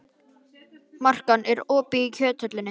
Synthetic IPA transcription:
mar̥kanʔɛɾɔːpiːcʰœːt̪ʰœt̪lɪnːɪ

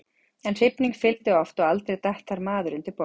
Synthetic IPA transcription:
ɛnr̥ɪpniŋkfɪlt̪ɪɔft̪ɔɣalt̪ɾejt̪aht̪ːaɾmaːðʏɾʏnt̪ɪɾpɔ

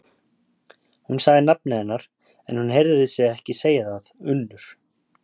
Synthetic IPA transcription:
hunsaːɣðɪnap̚nɪɛnːaɾ̥ | ɛ̰nhunɦejɾðɪðɪsjɛɣɛhcɪseːjaðaðʏnːʏɾ̥

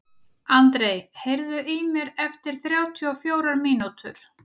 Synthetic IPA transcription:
ant̪ɾeːjhejɾðʏʔimjɛɾɛft̪ɪɾ̥θɾjaːwt̪ʰiɔfjoːwɾaɾmiːnut̪ʰʏ̰ɾ̥

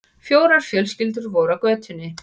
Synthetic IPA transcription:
fjoːwɾaɾ̥fjœlscɪlt̪ʏɾvɔːwɾakvœːt̪ʰʏnːɪ

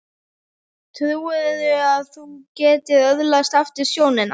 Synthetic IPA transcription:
t̪ʰðʏwɪððʏaðθucɛːt̪ɪðœðlast̪aft̪ɪsjoːwnɪn

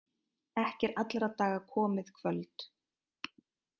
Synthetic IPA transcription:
ɛhcɛɾat̪lɾat̪aːɣakʰɔːmɪðkʰvœlt̪

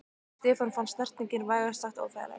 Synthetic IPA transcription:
st̪ɛːfanfansnɛr̥t̪niɲcɪnvaːjɣḁst̪axt̪a̰ːwfa̰jðla̰

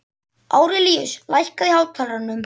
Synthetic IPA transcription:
aːwɾɪlijʏslajhkaðihaːwt̪ʰalɾanːʏm

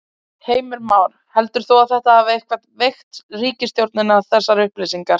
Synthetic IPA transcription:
heːjmɪɾmaːwɾ | hɛlt̪ʏɾ̥θowaðθɛht̪aavehkvat̪vext̪riːcɪst̪jowɾt̪nɪnaːðθɛsːaɾʏhplesiŋkaɾ̥

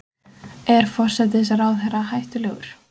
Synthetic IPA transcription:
ɛɾ̥fɔr̥sɛt̪̬ɪɪsaɾaːwθɛrahajht̪ʏlɛːɣʏ̰ɾ̥

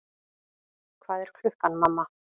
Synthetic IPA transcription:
kʰvaːðɛɾ̥kʰlʏhkanmamːa

